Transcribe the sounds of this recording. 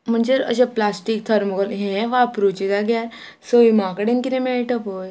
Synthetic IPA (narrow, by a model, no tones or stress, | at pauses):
m̤əɳd͡zeə̰ɕeplasʈik̚t̪ʰəɾməɡəlɦẽʋapɾut͡ɕid̪aɡja | soimakəɽenkiɾẽmeɭʈəpɦoj